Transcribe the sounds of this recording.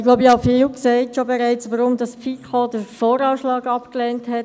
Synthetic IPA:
ɡloʊbəɑfiːlksɛɪtʃobɛɾɛɪt͡sʋəɾʊmdɑsfikʰodəɾfoːɾɑːʃlɑːɡɑpklɛːnthɛt

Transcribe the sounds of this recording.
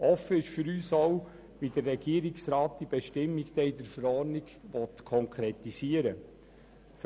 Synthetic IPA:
ɔfːəɪʃfʏɾyːsow | ʋidərːɛɡiəɾiksɾaːt̚d̥ib̥ɛʃtɪmːiɡt̪ɛɪd̪əfəɾɔːrniɡʋɔt̪kʰɔŋkʰɾɛtisiəɾə | f

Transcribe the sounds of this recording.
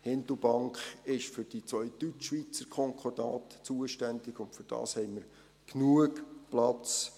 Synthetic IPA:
hɪnd̪l̩ˠbɑŋkχɪʃfʏɾd̥it͡sʋœʏd̥̪yt͡ʃːʋit͡səɾkʰχɔŋkʰɔrd̥ɑːtt͡suəʃtændɪɡʊntfʏɾd̥ɑ̰ːshɛɪməɾ | knuəkplɑt͡s

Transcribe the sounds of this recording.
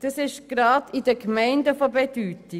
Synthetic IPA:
d̥ɑsɪʃɡ̥ɾɑːdidəkmɛɪndəfobedyːti

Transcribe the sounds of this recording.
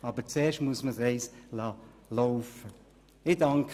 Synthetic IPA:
ɑbət͡sɛːʃtmuəsməsɛɪslɑ | loʊfə | ɪdɑŋkʰ

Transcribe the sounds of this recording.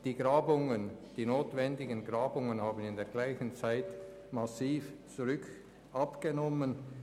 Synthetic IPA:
d̥iːɡ̥ʁaːbʊŋənd̥iːnoːtv̥ɛndɪɡənɡʁaːbʊŋənhaːbən̩ɪndeːɐɡ̥laɪçən̩t͡saɪt | masiːft͡suʁʏk | ʔɑpɡ̥ənɔmən

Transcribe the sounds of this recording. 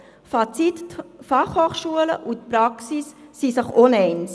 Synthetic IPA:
fat͡sitfaχhoːχʃuələ̰ʔutpɾɑksisːisəχonɛɪns

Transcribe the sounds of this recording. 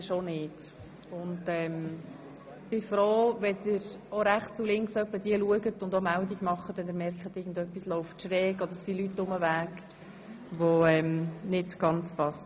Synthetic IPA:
ʃonɪːt | ʊndɛm | b̥ɪfɾoːʋɛdɪɾ | oɾæχtt͡sulɪŋksœpːəd̥iəluəɡətʊndomældiɡ̥mɑχːəd̥ɛnd̪ɪɾmɛɾkχətɪɡn̩dœpːislɔʊftʃɾɛːɡɔd̪əsilytːʊməvæːɡ | ʋoɛmnɪtɡ̥ɑnt͡spɑst

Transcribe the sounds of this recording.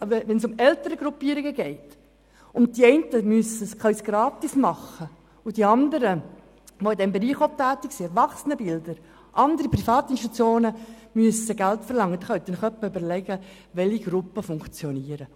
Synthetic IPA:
ʋɛnsʊmɛltəɾəɡɾupiːəɾiɡəɡɛɪt | ʊnt̚d̥iɛɪntəmyəsəskʰχœɥsɡ̥ɾɑːt̪ismɑχə | ʊd̥iɑnd̪əɾə | ʋoɪdɛmbeɾiːχɔp̚tæːtːiksiɛɾʋɑχsənəbɪldəɾ | ʔɑnd̪əɾiprifɑːt̪ɪnʃtut͡sjoːnəmyəsəɡæltfəɾlɑŋːəd̪ɛχœɥtdɛnχœpːəʏbəɾlɛɡə | ʋɛliɡɾʊpːəfʊŋkt͡sjɔniːəɾə

